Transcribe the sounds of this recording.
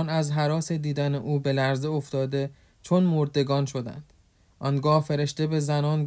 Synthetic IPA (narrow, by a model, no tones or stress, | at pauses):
næzɦæɾɒːse̞d̪iːd̪æne̞ʔuːbe̞læɾzeoft̪ɒːd̪e̞ | t͡ʃʰonmoɾd̪e̞ɡɒːnʃo̞d̪æ̰nd̪̥ | ʔɒnɡɒːhfe̞ɾe̞ʃt̪e̞be̞zænɒːnɡ